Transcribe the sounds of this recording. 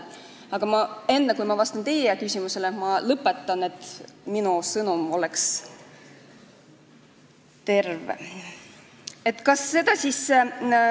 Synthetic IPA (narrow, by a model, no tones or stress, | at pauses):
ɑɡ̥ɑmɑe̞nːekujmɑvɑst̪ɑnt̪eːjɑkysʲimuse̞lemɑlɤpːˑe̞t̪ːˑɑne̞t̪ːˑminusɤnumo̞leks | t̪e̞rvḛ | e̞t̪ːˑkɑsːe̞d̪ɑsis